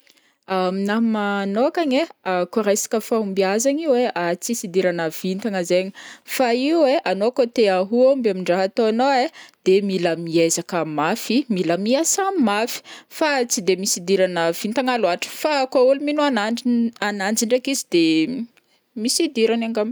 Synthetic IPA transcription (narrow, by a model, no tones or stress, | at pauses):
aminamanokaɲeakaɾejsḁkəfaumbiazaɲiweʔat͡sisid̪iɾanəv̥int̪aŋəzeɲi̥faiweʔanokot̪eaɦuombamiɳɖ͡ʐaɦat̪oanoed̪̥emiləmiezakəmafimilamiasamimafi̥fat͡sid̪emisid̪iɾanəv̥int̪aŋaluaʈ͡ʂə̥fakauluminuanaanand͡ziɳɖ͡ʐakizid̪̥e | misid̪iɾanaŋɡam